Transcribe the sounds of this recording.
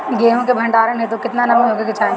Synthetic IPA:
ɡeːɦõkebʱɐ̃ɳɖaːɾənɦet̪okɪt̪nanɐmɦoːɡekɪt͡ʃʰaː

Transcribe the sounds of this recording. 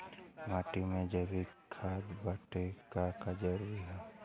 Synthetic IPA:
maːʈimẽd͡ʒəbʱikʰaːd͡ʒbaʈekakad͡ʒəɾuɾiɦɛ

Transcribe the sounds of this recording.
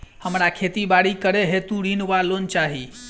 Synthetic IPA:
həmɾakʰet̪ibaɽikəɾeɦet̪ũɽinʋalont͡ʃaɦi

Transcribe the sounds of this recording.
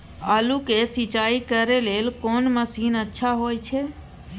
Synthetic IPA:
alukesit͡ʃaikəɾelelkonməsinətːʃʰaɦojt͡ʃʰe

